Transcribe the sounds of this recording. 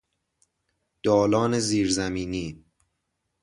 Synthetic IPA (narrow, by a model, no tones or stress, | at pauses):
d̪̥ɒːlɒːneziːɾzæmiːniː